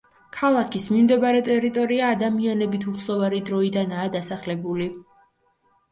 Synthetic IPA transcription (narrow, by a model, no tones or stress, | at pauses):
kʰalˠakʰismimd̪ɛbaɾɛt̪ʼɛɾit̪ʼɔɾiaːd̪amianɛbit̪ʰuχsɔvaɾid̪ɾɔid̪anaːd̪asaχlɛbuli